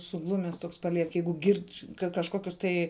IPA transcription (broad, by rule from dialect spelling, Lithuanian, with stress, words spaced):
sʊˈɡlˠʊmʲɛs ˈtoːks pɐˈlʲiɛk ˈjɛɪɡʊ ˈɡʲɪrʲt͡ʃʲ ˈkɐ kɐʃˈkoːkʲʊs tɐɪ